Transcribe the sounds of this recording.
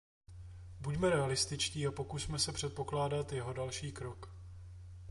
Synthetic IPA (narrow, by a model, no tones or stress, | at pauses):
bucmɛɾɛalɪst̪ɪt͡ʃciːapo̞kusmɛsɛpr̝̥ɛt̪̚po̞klaːdat̪jɛɦo̞dalʃiːkɾo̞k